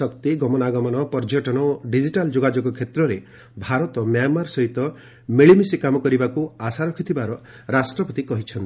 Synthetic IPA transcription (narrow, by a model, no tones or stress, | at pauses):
sɔkt̪iɡɔmɔnaɡɔmɔnɔpɔɾd͡ʒɔʈɔnɔɖid͡ʒiʈald͡ʒoɡad͡ʒoɡɔkʰet̪ɾɔɾe | bʱaɾɔt̪ɔmjamaɾsɔɦit̪ɔ | meɭimisikamɔkɔɾibakuasaɾɔkʰit̪ʰibaɾɔ | ɾasʈɾɔpɔt̪ikɔɦit͡ʃʰɔnt̪i